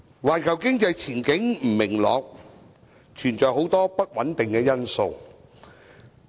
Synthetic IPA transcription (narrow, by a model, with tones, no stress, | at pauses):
waː˨˩nkʰɐ˨˩wkɪ˥ŋt͡sɐ˧jt͡sʰiː˨˩nkɪ˨˥ŋm̩˨˩mɪ˨˩ŋlɔ̰ː˨˧k̚ | t͡ʃʰyː˨˩nt͡sɔː˨jho˨˥wt̪ɔː˥pɐ˥t̚wɐ˨˥nt̪ɪ˨˩ŋkɛː˧jɐ˥nso˧w